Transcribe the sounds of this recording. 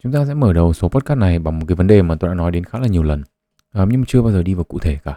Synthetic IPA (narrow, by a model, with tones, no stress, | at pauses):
t͡ɕʊ˨˦ŋ͡mt̪aː˧sɛ̰˧˥məː˧˩ɗə˨˩wso˨˦pɔ˦˥t̚kaː˦˥na˨˩jɓa˨˩ŋmo˨˩t̚kaː˨˦jvə˨˦nɗe˨˩maː˨˩t̪o˧ɗa̰ː˧˥nɔ˨˦jɗe˨˦nxaː˦˥laː˨˩ɲi˨˩əwlə˨˩n | ʔəː˨˩mɲɨ˧ŋ͡mmːa˨˩t͡ɕɨ˧ə˧ɓaː˧wzəː˨˩ɗi˧vaː˨˩wkṵ˧˨t̪ʰe˧˩kaː˧˩